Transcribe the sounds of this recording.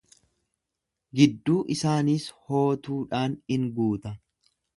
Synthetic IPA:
ɡɪd̪ːuːʔɪsaːniːsho̞ːt̪uːᶑaːnhɪŋɡuːt̪ɐ

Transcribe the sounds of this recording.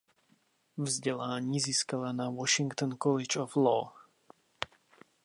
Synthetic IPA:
vzɟɛlaːɲiːziːskalanawɔʃiŋkt̪ɔnkɔlɛt͡ʃɔflɔː

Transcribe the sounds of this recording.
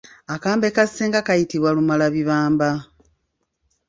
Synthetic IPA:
akaːmbe̞kaseːŋɡakajitiβwalumalaβiβaːmba

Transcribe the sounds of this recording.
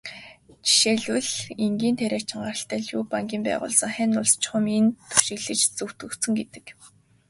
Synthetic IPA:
t͡ɕi̥ʃeːɮuɮeŋɡiːnt̪ʰæɾʲæːt͡ɕʰɪ̆ŋɢarə̆ɬt̪æːɮjuːpaŋɡʲiːmpæ̰ːʁʊ̰ːɮsə̆ŋχænʊɮst͡ɕχʊ̆ment̪ʰu̥ʃɪ̆ɣɮɘ̆t͡ɕt͡sɵwt̪ɵ̆kt̪sɵ̆ŋɡet̪ɘ̥̆k

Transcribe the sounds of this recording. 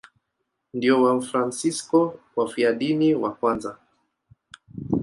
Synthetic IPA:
ndiɔwafɾansiskɔwafiaɗiniwakwanza

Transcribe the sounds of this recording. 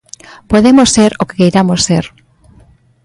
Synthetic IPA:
poðemosːeɾoke̥kejɾamosseɾ

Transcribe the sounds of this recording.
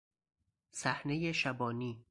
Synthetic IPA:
sæhne̞jeʃæbɒːniː

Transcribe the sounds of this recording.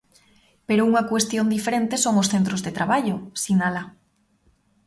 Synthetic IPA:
peɾouŋakwest̪jond̪ifeɾent̪esoŋosθent̪ɾozðet̪ɾaβaʎosinala

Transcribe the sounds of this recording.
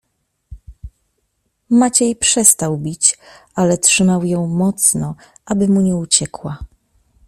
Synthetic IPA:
mat͡ɕejpʂɛst̪awbʲit͡ɕʔalɛtʂɘmawjɔ̃w̃mɔt̪snɔ | ʔabɘmuɲɛut͡ɕɛkwa

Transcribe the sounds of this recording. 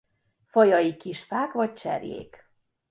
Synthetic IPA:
fɒjɒjikiʃfaːkvɒc̚t͡ʃɛ̰rjḛːk

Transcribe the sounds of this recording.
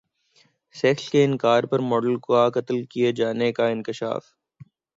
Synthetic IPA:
sɛːkskeɪnkaːɾpɐɾmɔːɖəlkoakɐt̪əlkied͡ʒaːnekaɪ̃nkɪʃa̰ːf

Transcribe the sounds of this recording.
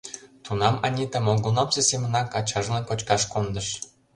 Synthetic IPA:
t̪unɑmɑnʲit̪əmolɣunɑmsesemə̆nɑkɑt͡ɕɑʒlənkot͡ɕkɑʃkond̪ə̆ʃ

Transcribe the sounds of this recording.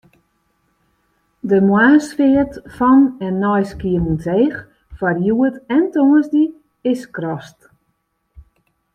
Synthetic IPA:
dəmwaːsfɪətfɔnɛnːɔjskiənuntʰeːx | farjuətɛntoŋəzdi | ɪskrɔst

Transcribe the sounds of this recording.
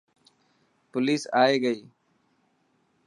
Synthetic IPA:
pʊliːsaːeːɡəiː

